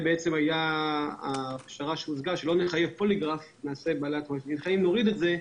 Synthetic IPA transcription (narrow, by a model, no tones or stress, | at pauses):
beet͡se̞majaapʃaʁaʃeuzɡaʃelo̞neχaje̞vpoliɡʁaf | naːse̞balat̪inχajimno̞ʁid̪etze̞